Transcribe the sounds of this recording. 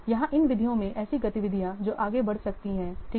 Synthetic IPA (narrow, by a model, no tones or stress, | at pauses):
jɐɦãʔɪnʋɪd̪ʱijõmẽʔɛːsiɡɐt̪ɪʋɪd̪ʱijãd͡ʒoːʔaːɡebɐɽsɐk̚t̪iɦɛ̃ːʈʰiː